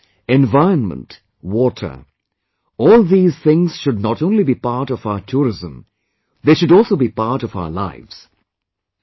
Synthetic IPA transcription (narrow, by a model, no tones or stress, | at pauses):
ɛ̃nvaɪɹə̃nmə̰̃nt | wɔtʰə̰˞ | ɔːlˠðiːz̥θɪ̃ŋz̥ʃʊdnɔtõʊ̃nlibipaɾʈɔvaʊətʰuːɹɪzə̃m | ðeːʃʊdɔːlˠsoʊbipaɹtɔvaʊə̰laɪvz̥